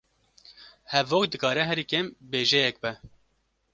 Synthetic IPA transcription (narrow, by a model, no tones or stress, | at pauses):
hɛvoːkd̪ɨkɑːɾɛɦɛɾiːkembeːʒɛjɛk̚bɛ